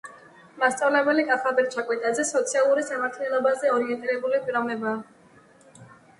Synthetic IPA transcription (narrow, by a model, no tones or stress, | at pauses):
mast̪sʼavlɛbɛlikʼaχabɛɾt͡ʃʰakʼwit̪ʼazɛsɔt̪sʰialˠuɾisamaɾt̪ʰnɛlˠɔbazɛɔɾiɛnt̪ʼiɾɛbulipʼiɾɔmɛbaː